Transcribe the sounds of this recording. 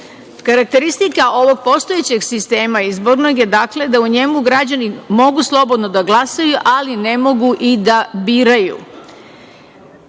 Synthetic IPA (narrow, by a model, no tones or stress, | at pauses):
kaɾak̚t̪e̞ɾist̪ikaʔo̞ʋo̞ɡ̚po̞st̪o̞et͡ɕeɡsist̪e̞ːmaizbo̞ɾno̞ɡje̞d̪aːkle̞d̪auɲe̞muɡɾad͡ʑanimo̞ɡuslˠo̞bo̞d̪no̞d̪aɡlasajuʔaline̞mo̞ɡuʔid̪abiːɾajṵ